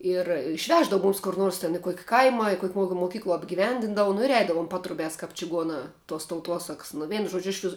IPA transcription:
ɪr ɪʃʲˈʋʲæːʒdɐʋʊ ˈmʊmʲɪs kʊr ˈnuɔrs tʲɛn ɪ ˈkuɔkʲɪ ˈkɐɪmɐ ɪ ˈkuɔkʲ ˈmuɔkʲɪm moːˈkʲiːklˠuɔ ɐbʲɡʲɪˈʋʲɛnʲdʲɪndɐʋʊ nʊ ɪr ˈɛɪdɐʋʊm ˈpɑːtrʊbʲæːs kɐɪp t͡ʃʲɪˈɡuɔnɑː tuɔs tɐʊˈtuɔsɐks nʊ ˈʋʲɛɪnʊ ˈʒuɔd͡ʒʲʊ ˈɪʃʲʋʲɪs

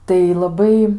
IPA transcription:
tɐɪ lˠɐˈbɐɪ

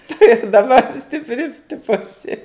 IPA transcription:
tʊ ɪr dɐˈbɐr sʲtʲɪpʲˈrʲɪ ˈtʲɪpoː ɐˈsʲɪ

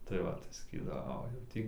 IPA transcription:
tɐɪ ˈʋɐ tɐɪ sɐˈkʲiːdɐʋoː ˈoː jɛʊ ˈtʲiː

